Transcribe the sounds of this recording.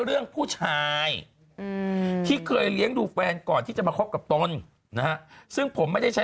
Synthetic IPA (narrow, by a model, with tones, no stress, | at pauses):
ɾɯ˥˩əŋpʰuː˥˩t͡ɕʰaː˧j | t̪ʰiː˥˩kʰɤː˧jli˦˥əŋduː˧fɛː˧nkɔː˨˩nt̪ʰiː˥˩t͡ɕa˨˩maː˧kʰo˦˥p̚ka˨˩p̚t̪o˧n | na˦˥ha˦˥sɯ˥˩ŋpʰo˩˦mːa˥˩da˥˩t͡ɕʰa˦˥